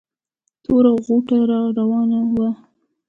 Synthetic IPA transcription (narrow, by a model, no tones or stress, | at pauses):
t̪ʰoɾaɣuʈaɾɑɾawɑnawa